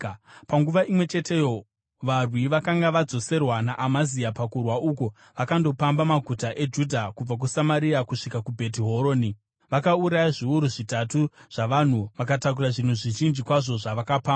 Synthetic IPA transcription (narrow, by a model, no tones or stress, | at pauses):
paŋɡuʋaʔimwe̞t͡ʃetʰe̞jo | ʋarwiʋakaŋɡaʋad͡zo̞se̞rwanaʔamaziapakurwaʔuko | ʋakando̞pambamaɡʱutaʔe̞d͡ʒudʱakub͡vak̬usamaɾiakuʂikakubʱe̞t̬iɦoɾo̞ːni | ʋakauɾajaʐiuɾuʐitatuʐ̥aʋan̤uʋakatak̬uraʐin̤uʐiʒind͡ʒikwaʐo̞ʐaʋakapaːma